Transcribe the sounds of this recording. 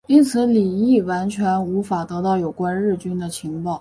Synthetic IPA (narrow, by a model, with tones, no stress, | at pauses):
i˥nt͡sʰɹ̩˧˥li˨˩i˥˩wa˧˥nt͡ɕʰɥɛ˧˥nu˧˥fa˨˩t̪ɤ˧˥t̪ɑ˥˩ʊjo˨˩ʊkwa˥nɻɻ̩˥˩t͡ɕy˥nd̪ə˨t͡ɕʰi˧˥ŋpɑ˥˩ʊ